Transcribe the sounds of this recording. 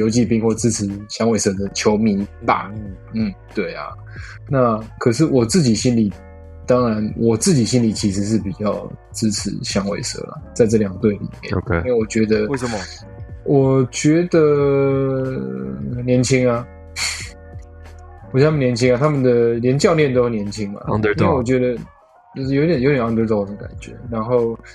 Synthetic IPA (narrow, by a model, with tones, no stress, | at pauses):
jo˧˥ʊt͡ɕi˥˧pi˥ŋwɔ˥˩t͡sɹ̩˥t͡sʰɻ̩˨˩˦ɕjɑ˥ŋwe˨˩ɪsɤ˥˩d̪ə˨t͡ɕʰjo˧˥ʊmi˧˥˦t̪a̰˨˩u˥˩ | n̩˥˩t̪we˥˩ɪa̰˩ | na˥˨kʰə˨˩ʂ̬ɻ̩˥˩wɔ˨˩t͡sɹ̩˥˩t͡ɕi˨˩ɕi˦nli˨˩ | t̪ɑ˥ŋɻa˧˦nwʔɔ˨˩t͡sɹ̩˥˩t͡ɕi˨˩ɕi˦˥nli˨˩t͡ɕʰi˧˥ʂ̬ɻ̩˧˦ʂ̬ɻ̩˥˩pi˨˩t͡ɕjɑ˥˧ʊ | t͡sɹ̩˥ʈ͡ʂ̩ʰ˧˥˦ɕjɑ˥ŋwe˨˩ɪsɤ̰˥˩˦la̰˨t͡sa˥˧ɪʈ͡ʂɤ˥˩ljɑ˨˩ŋt̪we˥˩ɪlḭ˨˩mjɛ̰˨˥˧we˥˩ɪwɔ˨˩t͡ɕɥɛ˧˥d̪ə˧wm | wɔ˨˩t͡ɕɥɛ˧˦˥d̪ə˨ | njɛ˧˥nt͡ɕʰi˦ŋa˨ | wɔ˨˩˧a˥m˨njɛ˧˦nt͡ɕʰi˥ŋa˨t̪ʰa˦˥mə˨nd̪ə˨˩ljɛ˧˦nt͡ɕjɑ˥˧ʊljɛ˥˨nt̪o˥ə˩njɛ˧˦nt͡ɕʰi˥ŋa̰˨˧˥we˥˩wɔ˨˩t͡ɕɥɛ˧˥d̪ə˧ | t͡ɕo˥˧ʊʂ̩˥˩jo˧˥˧ɛ˨˩jo˧˦t̪ɛ˨˩ɑ˥ŋt̪ə˧˥t̪o˥˩ʊə˨˩d̪ə˩ka̰˨˩nt͡ɕɥɛ̰˧˦ɻa˧˥nxo˥˨ʊ